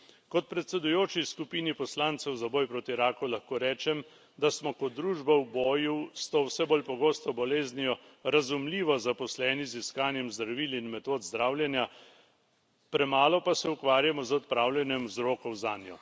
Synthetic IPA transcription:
kɔt̪̚pɾɛt̪sɛd̪ujoːt͡ʃiskupiːnipɔslant̪sɛwzabɔːjpɾoːt̪iɾaːkulaxkoːɾɛːt͡ʃɛm | d̪asmɔkɔd̪ːɾuːʒbawbɔːjust̪oːwsɛboːlpɔɡoːst̪ɔbɔleːznijɔɾazumliːʋɔzapɔslɛːniziskaːnjɛmzd̪ɾɐʋiːlinmɛt̪oːd̪zd̪ɾaːwlʲjɛnja | pɾɛmaːlɔpasɛukʋaːɾjamɔzɔt̪̚pɾaːwlʲjɛnjɛmwzɾoːkɔwzaːnjɔ̰

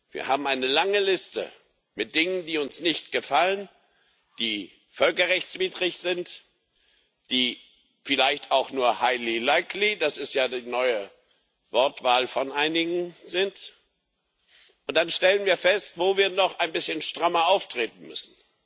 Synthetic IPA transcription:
vḭːɐhaːbm̩aɪnəlaŋəlɪstə̰ | mɪt̚d̥ɪŋəndiːʊnsnɪçtɡ̥əfalən | d̥iː | fœlkɐʁɛçt͡sv̥iːdʁɪçz̥ɪnt | d̥iː | fɪlaɪçtaʊxnuːɐhaɪlilaɪklid̥asɪstjaːdiːnɔʏə | vɔɐtv̥aːlfɔnʔaɪnɪɡŋ̩zɪnt | ʔʊntd̥anʃtɛlənviːɐfɛstv̥oːviːɐnɔχaɪnbɪsçənʃtʁ̥amɐʔaʊftʁ̥eːt̚n̩mʏ̰sn̩

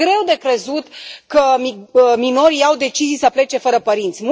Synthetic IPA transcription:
ɾe̞wd̪e̞kɾe̞zut̪kəmimino̞ɾijawd̪e̞t͡ʃizijsəple̞t͡ʃe̞fəɾəpəɾint̪sʲmu

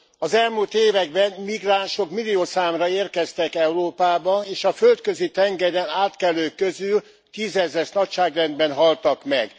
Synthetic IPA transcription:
ɒzɛlmult̪eːvɛɡ̚bɛnmiɡraːnʃo̞kmilːioːsaːmrɒeːrkɛst̪ɛkɛuroːpaːbɒneːʃɒfølt̪kø̞zit̪ɛŋɡɛɾɛnaːt̪kɛløːkːøzyl | t̪iːzɛzɛʃnɒcʃaːɡrɛnd̪̚bɛnɦɒlt̪ɒkmɛɡ

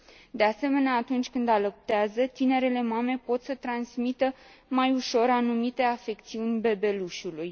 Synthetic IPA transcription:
d̪e̞ase̞me̞neaːt̪unt͡ʃʲkɨnd̪aləp̚t̪eazət̪ine̞ɾe̞le̞mame̞po̞t̪sət̪ɾansmit̪əmajuʃo̞ɾanumit̪e̞afe̞kt̪siunʲbe̞be̞luʃuluj

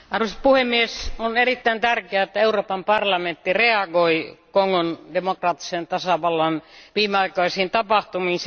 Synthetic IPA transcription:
ɑruspuhemːiesonerit̪ːæint̪ærkeæet̪ːæeuroːpɑmpɑrlɑment̪ːireɑɡoikoŋːondemokrɑːt̪ːi̥sent̪ɑsɑʋɑlːɑnʋiːmeɑikɑisiːnt̪ɑpɑht̪umiːns

